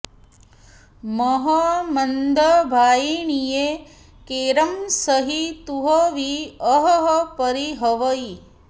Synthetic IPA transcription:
mɔɦɐmɐnd̪ʱɐbʱaːjiɳije | keːɾɐmsɐɦit̪uɦɐʋiɐɦɐɦɐpɐɾiɦɐʋɐi

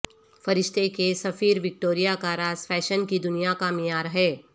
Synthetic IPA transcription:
fɐɾɪʃt̪ʰekesɐfiːɾʋɪk̚ʈoːɾijakaɾaːz̥fɛːʃənkid̪ʊnijakamɪjaːɾɦɛː

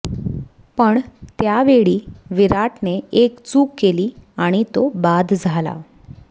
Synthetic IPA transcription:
pəɳt̪jaʋeɭiːʋiɾaʈneekt͡suːkːeliːaɽ̃it̪obad̪ʱd͡zʱala̰

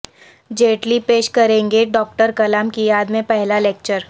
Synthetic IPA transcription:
d͡ʒeːʈlipeːʃkɐɾẽːŋɡeɖɔːk̚ʈəɾkɐlaːmkijaːd̪mẽpɛɦlaleːk̚t͡ʃəɾ

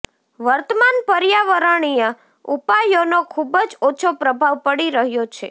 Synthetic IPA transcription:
ʋəɾt̪əmanpəɾjaʋəɾəɳ̃ijə | upajonokʰubəd͡ʒot͡ʃʰopɾəbʱaʋpəɽiɾəɦjot͡ʃʰe

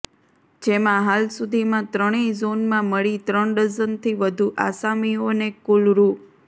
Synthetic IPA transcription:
d͡ʒemãɦalsud̪ʱimãt̪ɾəɽ̃izonmãməɭit̪ɾəɳɖəzənt̪ʰiʋəd̪ʱuʔa̰samionekulɾu

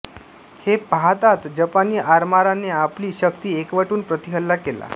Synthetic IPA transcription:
hepaɦt̪at͡sd͡ʑəpaniːʔaɾmaɾanːeapliːɕəkt̪iːekʋəʈuːnpɾət̪iɦəlːakela̰

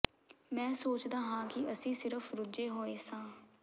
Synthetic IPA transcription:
mɛ̃ːsoːt͡ʃd̪aːɦãːkɪəsĩːsɪɾəfʰɾʊd͡ʒeːɦoːeːsãː

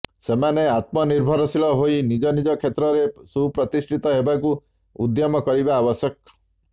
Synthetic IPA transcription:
semaneat̪mɔniɾbʱɔɾɔsilɔɦoinid͡ʒɔnid͡ʒɔkʰet̪ɾɔɾesupɾɔt̪isʈʰit̪ɔɦebaku | ud̪jɔmɔkɔɾibaːbɔsjɔk̚

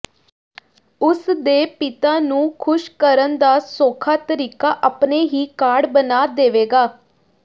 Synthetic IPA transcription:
ʊsd̪eːpɪt̪aːnũːkʰʊʃkəɾənd̪aːsoːkʰaːt̪əɾiːkaːʔapneːɦiːkaːɽbənaːd̪eːʋeːɡaː

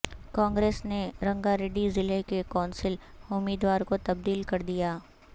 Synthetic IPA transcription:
kɔ̃ːŋɡɾeːsneɾɐ̃ŋɡaɾeːɖizɪlekekaːnsɪlʊmiːd̪waːɾkot̪ɐb̚d̪iːlkɐɾd̪ijaː

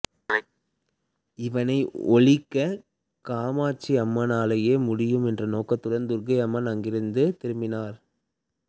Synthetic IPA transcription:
ɪʋɐnɐɪɔɭɪkːɐ | kaːmaːt͡ʃːiɐmːɐnaːlɐjeːmʊɽɪjɯmɛndrɐnoːkɐt̪ːʊɽɐnd̪ʊɾɡɐɪɐmːɐnɐŋɡɪɾɯnd̪ɯt̪ɪɾɯmbɪnaːɾ

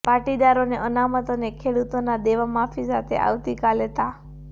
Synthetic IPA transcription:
paʈid̪aɾoneʔənamət̪onekʰeɽut̪onad̪eʋamafisat̪ʰḛʔa̰ʋt̪ikalet̪a

